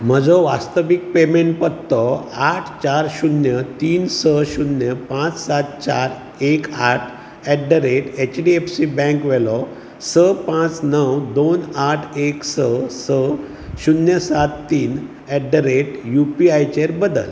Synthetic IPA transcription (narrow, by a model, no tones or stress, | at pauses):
m̤əd͡zɔʋast̪əʋik̚pemeɳʈpət̪ːɔaʈʰt͡ɕaɾɕunjət̪iːnsəɕunjəpãt͡ssat̪̚t͡ɕaɾ | ekaʈʰ | ɛɖəɾeʈet͡ɕɖiefsibɛ̃kʋɛlɔ | səpãt͡snəwd̪onaʈʰeksəsə | ɕunjəsat̪ːiːn | ɛɖəɾeʈjupiajt͡ɕeɾbəd̪ə̰l